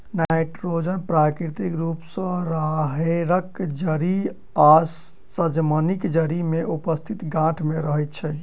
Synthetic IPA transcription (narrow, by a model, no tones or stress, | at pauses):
najʈɾod͡ʒənpɾakɾit̪ikɾupsə̃ɾaɦeɾəkd͡ʒəɾi | a | səd͡ʒmənikd͡ʒəɾimeʔupəst̪ʰit̪ɡãʈʰmeɾəɦɛjt̪̚t͡ʃʰɛ